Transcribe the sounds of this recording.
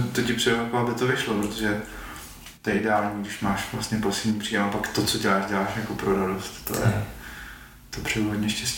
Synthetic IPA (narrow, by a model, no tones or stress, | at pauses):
t̪ocɪpr̥ɛvapabɪt̪ovɪʃlopɾot̪oʒɛ | t̪oɛɪdɛaːlɲiɡdɪʃmaːʃvlast̪ɲɛposɪlɲiːpr̥iːɛapakt̪ot͡soɟɛlaːʃɟɛlaːʃjako̞pɾoɾadost̪ːo̰jɛ̰ | t̪opr̥ɛuɦodɲɛʃcɛstci̥